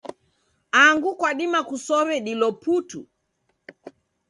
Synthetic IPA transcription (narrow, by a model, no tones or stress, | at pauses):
aŋɡukwaɗimakusɔβɛɗilɔputu